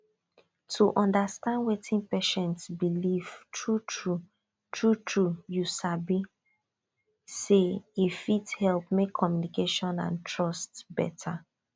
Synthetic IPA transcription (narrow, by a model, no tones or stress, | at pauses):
tʰuʔɔ̃ndastãndwetʰĩnpɛʃɛ̃ntsbiliv̥tʰɹutɹu | tɹutʰɹujusabi | seifithɛlˠpmekʰːɔmjunikeʃɔ̃nã̰ntʰɹɔstbɛ̰tʰa